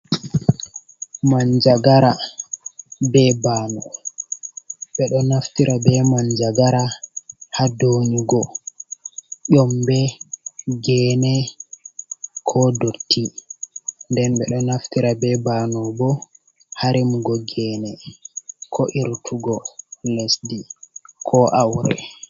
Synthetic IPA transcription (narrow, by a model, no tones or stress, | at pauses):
maɲd͡ʒaɡaɾa | bɛbaːnɔ | ɓɛɗɔnaftiɾʔabɛmaɲd͡ʒaɡaɾahadoniɡɔ | ʔɔmbɛ | ɡɛːnɛ | kʰɔdotʰːi | ndɛnɓɛɗɔnaftiɾabɛbanɔbɔ | haɾimɡɔɡɛːnɛ | kʰɔʔiɾtʰuɡɔlesdikʰɔʔawɾɛ̰